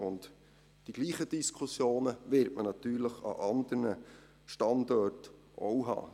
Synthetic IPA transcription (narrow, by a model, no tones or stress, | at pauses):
ʊnt | d̥iɡ̥liːχəd̥iskʰʊsjoːnəʋɪɾtmənɑt̪yːɾləχɑ̰ʔɑnd̥̪ərnə | ʃtɑndɔt | ʔowɦɑ̰ː